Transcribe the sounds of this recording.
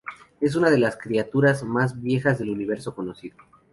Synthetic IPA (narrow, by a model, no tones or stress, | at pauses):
e̞s̬unað̞e̞laskɾiat̪uɾazmazβje̞xazðe̞luniβ̞e̞ɾso̞ko̞no̞siðo